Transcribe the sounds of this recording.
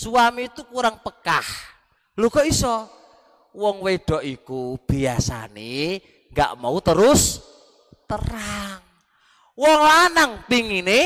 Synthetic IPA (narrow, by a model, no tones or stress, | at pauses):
suamit̪ukuɾaŋpəkah | lukɔisɔ | wɔŋweɖ̥ɔ̤ʔikub̥iasa̰ne | ŋɡa̰ʔmaut̪əɾʊs | t̪əraŋ | wɔŋlanaŋpiŋine